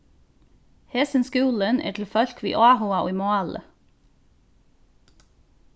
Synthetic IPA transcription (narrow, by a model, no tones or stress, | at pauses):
hɛsənskʉːlənʔæ̰ːʈʰl̩fœlkʰʋḭːʔɑːhʊɑʔo̰ːiːmoɑlə̰